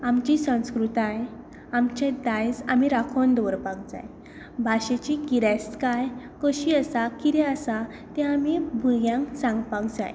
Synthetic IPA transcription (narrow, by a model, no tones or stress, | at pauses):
amt͡ɕisə̃w̃skɾut̪aj | amt͡ɕẽd̪ajd͡zamiɾakʰond̪ɔɾpak̚d͡za̰j | bʱaɕet͡ɕikiɾaskajkəɕiəsakiɾɛəsa | t̪ɛ̃amibʱuɡjãŋksãŋɡpakd͡za̰j